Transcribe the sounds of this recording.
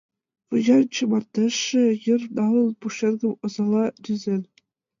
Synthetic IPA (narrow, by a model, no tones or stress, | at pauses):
pɤ̆ʑɑnt͡ɕɤ̆mɑt̪ːɤʂːɘ̆jɤ̆rnɑlˠɤ̆lˠpuʂenɡʲɤ̆mɤ̆zɑlˠɑd̪ʲyzʲelʲ